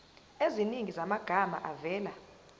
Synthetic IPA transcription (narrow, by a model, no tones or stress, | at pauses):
eziniŋizamaɡ̥ʱama̰ʔavɛːla